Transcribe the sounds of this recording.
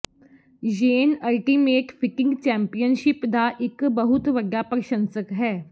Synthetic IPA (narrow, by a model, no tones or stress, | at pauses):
d͡ʒeːnɐlʈiːmeːʈfʰɪkɪ̃ŋɡt͡ʃɛ̃ːmpijənʃɪpd̪aʔɪkbɐɦʊt̪ʋɐɡjapɐɾʃə̃nsəkɦɛː